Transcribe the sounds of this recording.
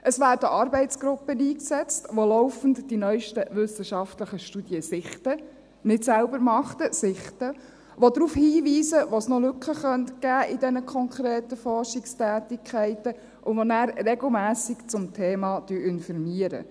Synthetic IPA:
ʔəsʋæːɾdəʔɑːɾbɛɪtt͡sɡ̥ɾʊpːəniːksɛt͡stʋolɔʊfən̩td̥inœʏʃtəʋʏsəʃɑftləχəʃtud̥jəsɪχtə | nɪtsælbəɾmɑχtəsɪχtə | ʋodɾuːfhiːʋiːsəʋosnɔlʉkχəχœntɡ̥æːʔɪdɛnəkʰχɔŋkʰɾeːtəfɔɾʃikstæːtɪkʰχæɪtə | ʔʊʋonæːɾrɛɡl̩ˠmæːsɪkt͡sʊmtʰeːmɑd̥yːʔɪnfɔɾmiəɾə̰

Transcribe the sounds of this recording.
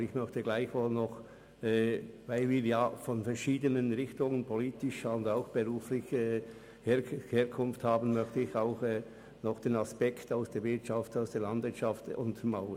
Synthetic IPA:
ɪçmœçtəɡlaɪçvoːlnɔχ | ɛːvaɪlviːɾjaːfɔnfɛɾʃiːdənənʁɪxtʊŋənpʰoliːtɪʃʊndaʊxb̥əʁuːflɪç | heːheːɐkʰʊnfthaːbən̩mœçtəɪçaʊxɛː | nɔχd̥eːnaspɛktaʊsd̥eːɾvɪɐtt͡ʃaftaʊsd̥eːɐlandvɪɐtt͡ʃaftʊntmaʊ

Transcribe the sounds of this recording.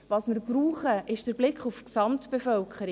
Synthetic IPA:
vɑsmɪɾbɾuːχəʔɪʃd̥əɾblɪkχufksɑmtb̥efœlkʰχəɾi

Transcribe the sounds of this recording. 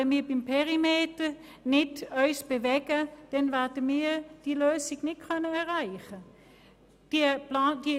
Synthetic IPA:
ɛnmiːɐbɪmpʰeʁimeːtə | nɪtœʏsb̥evɛɡəd̥ɛnvɛɐdəmiːd̥iːløːsɪɡnɪtkʰœnəɛɐʁaɪχə | d̥iplaːndi

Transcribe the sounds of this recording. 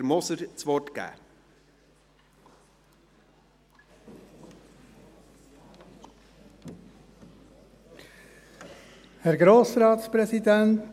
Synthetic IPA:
ɾmɔsəɾt͡sʋɔɾtɡ̥æ̰ː | hɛɾɡɾoːsɾɑːt̪spɾɛsidɛnt

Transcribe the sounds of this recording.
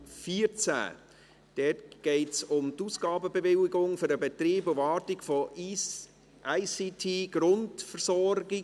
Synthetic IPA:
fiəɾt͡sæ̰ | d̥ɛːtɡ̥ɛɪtsʊmtuːsɡ̥ɑːbəbevɪlɪɡʊŋfʏɾəbɛtriːbʊvɑːtɪɡfɔ | ʔaɪsitʰiːɡ̥ɾʊntfəɾsɔɾɡɪ

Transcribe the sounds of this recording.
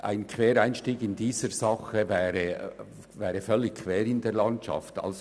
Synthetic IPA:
ʔa̰ɪnkʰveːɾaɪnʃtiːɡɪndiːzəzɑχəvɛːɾə | vɛːɾəfœlːɪçkʰv̥eːɾɪndeːɐlɑntt͡ʃɑ̰ftɑ̰ls

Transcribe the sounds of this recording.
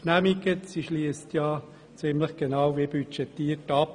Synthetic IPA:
næmiɡəsiʃliəstjɑː | t͡sɪmləχɡ̥enɑwʋibyt͡ʃɛtːiːərtɑp

